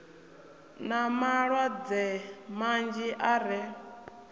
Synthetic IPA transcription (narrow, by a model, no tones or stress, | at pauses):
namaɺwad͡zɛmand͡ʒiʔaɾɛ